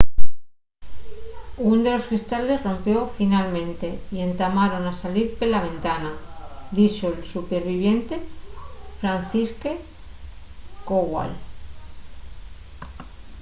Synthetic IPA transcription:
und̪e̞lo̞skɾist̪ale̞zro̞mpjo̞finalmẽ̞nt̪e̞ie̞nt̪amaɾo̞nasaliɾpelaβ̞ẽ̞nt̪anad̪it͡ʃo̞elsupe̞ɾβiβ̞je̞nt̪e̞ | fɾan̟θiske | koɣwa̰l

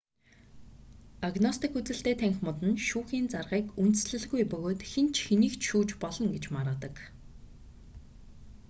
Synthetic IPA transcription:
aɣnɔst̪ĭkut͡sɘ̆ɬt̪eːt̪ʰæŋxʲmʊt̪ɘ̆nʃuːxiːnt͡sarʁiːkunt̪ɘ̥̆sɮɘ̆ɮɣujpɵɣoːt̪xent͡ɕʰxeniːkt͡ɕʃuːt͡ɕpɔɮɞ̆ŋɡet͡ɕmaɾə̆ːt̪ə̆k

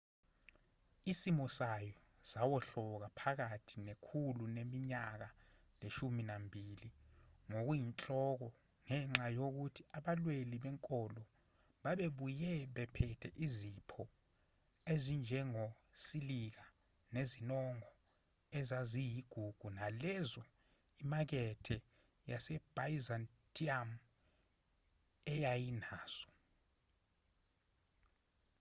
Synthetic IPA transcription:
isimɔsajɔ | zawɔɬɔk̬apʰak̬atʰinekʰulunemiɲak̬a | leʃuminambʱiliŋok̬ujint͡ɬʼɔk̬ɔ | ŋɛŋ͡ǁajok̬utʰiaɓalweliɓɛŋkʼɔlɔ | ɓaɓeɓujɛɓɛpʰɛtʰɛʔizipʰɔ | ezind͡ʒʱɛŋo | silik̬a | nezinɔŋɔ | ɛzazijiɡ̥ʱuɡ̥ʱunalɛzɔ | imak̬ɛtʰɛ | jasɛb̥ajizan | tʼiam | ɛjajinaːz̥ɔ̥

